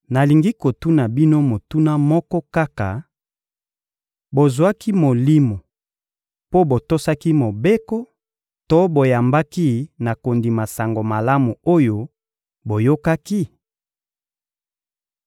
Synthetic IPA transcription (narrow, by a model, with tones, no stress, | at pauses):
na˨li˨ŋɡi˦ko˨tu˦na˨bi˦no˦mo˨tu˦na˦mɔ˦kɔ˦ka˦ka˨ | bo˨zwa˦ki˦mo˨li˦mo˨ | po˦bo˨to˦sa˦ki˦mo˨be˦kɔ˦ | to˦bo˨ja˨mba˦ki˦na˨ko˨ndi˨ma˨sa˨ŋɡo˨ma˨la˦mu˨o˦jo˨ | bo˨jo˦ka˦ki˦